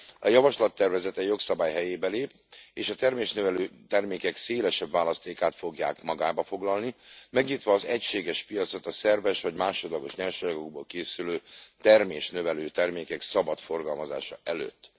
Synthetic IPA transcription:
ɒjɒvɒʃlɒt̪ːɛrvɛzɛt̪ɛjjo̞ksɒbaːjɦɛjeːbɛleːp̚ | eːʃɒt̪ɛrmeːʃnøvɛløːt̪ɛrmeːkɛkseːlɛʃɛbːaːlɒst̪eːkaːt̪fo̞ɡja̰ːkmɒɡaːbɒfo̞ɡlɒlnimɛɡɲiːt̪ʋɒːzɛcʃeːɡɛʃpijɒt̪so̞t̪ɒsɛrvɛʃʋɒɟmaːʃo̞d̪lɒɡo̞ʃɲɛlʃɒjɒɡo̞ɡ̚boːlkeːsyløːt̪ɛrmeːʃnøvɛløːt̪ɛrmeːkɛksɒbɒt̪fo̞rɡɒlmɒza̰ːʃɒʔɛlø̰ːt̪ː

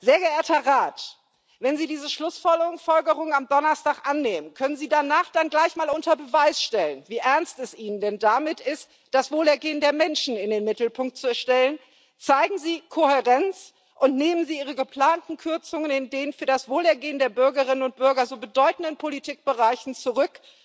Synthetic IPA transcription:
z̥eːɐɡəʔeːɐtɐʁaːt | vɛnziːdiːzəʃlʊsfɔlɡəʁʊŋsfɔlɡəʁʊŋənamdɔnɐstaːkʔanːeːmənkʰœnənziːdanaːχd̥anɡlaɪçmaːlʔʊntɐbəvaɪsʃtɛlənviːʔɛɐnstɛsʔiːnəndɛndamɪtɪst | d̥asv̥oːlɛɐɡeːəndeːɐmɛnʃn̩ɪndeːnmɪtl̩pʰʊŋk̚t̚t͡suɛɐʃtɛlən | t͡saɪɡŋ̩ziːkʰohɛʁɛnt͡s | ʔʊntneːmənziːʔiːʁ̞əɡəpl̥aːntn̩kʰʏɐt͡sʊŋənɪndeːnfyːɐdasv̥oːlɛɐɡeːəndeːɐbʏɐɡəʁɪnənʊnt̚b̥ʏɐɡɐzoːbədɔʏtn̩dən̩pʰolitʰiːk̚b̥əʁaɪçn̩t͡suʁʏk

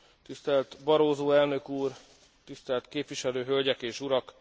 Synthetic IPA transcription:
t̪ist̪ɛlt̪bɒɾoːzoːɛlnø̞kuːr | t̪ist̪ɛlt̪keːpʋiʃɛløːɦølɟɛkeːʃuɾɒk

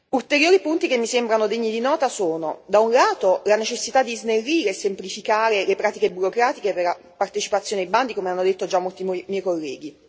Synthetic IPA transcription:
ult̪eɾjoːɾipunt̪ik̟emːisembɾanod̪eɲːid̪inɔːt̪asoːnod̪aunlaːt̪olanet͡ʃesːit̪ad̪ːiznerːiːɾeːsːemplifikaːɾelepɾaːt̪ikebuɾokɾaːt̪ikeperla | part̪et͡ʃipat̪sːjoːnedajband̪ikomeanːod̪et̪ːod͡ʒamːolt̪imɛjkolːɛːɡi

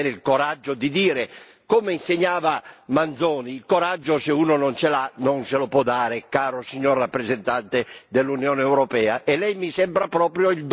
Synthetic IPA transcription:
ɛɾɪilkoɾad͡ʒːod̪id̪iːɾe | kɔmeinseɲːaːvamand̪zɔːniːlkoɾad͡ʒːosɪuːnonɔnt͡ʃelanɔnselopɔd̪ːaːɾɪkaːɾosiɲːɔrːapːɾezent̪ant̪ɪd̪elːunjɔːneɛːwɾɔpɛːaʔɛlːɛjmisɛmbɾapɾɔːpɾjoild̪

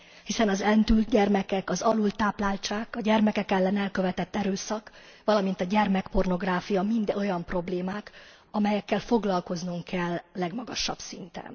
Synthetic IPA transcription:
hisɛnɒzɛnt̪ylt̪ɟɛrmɛkɛkɒzɒlult̪ːaːplaːlt͡ʃaːkɒɟɛrmɛkɛkɛlːɛnɛlkø̞vɛt̪ɛt̪ːɛɾøːsɒk | ʋɒlɒmint̪ɒɟɛrmɛkpo̞rno̞ɡraːfijɒmind̪o̞jɒmpro̞bleːmaːk | ɒmɛjɛkːɛlfo̞ɡlɒlko̞znuŋkʰːɛlːɛɡmɒɡɒʃɒ̰b̥sint̪ɛ̰n

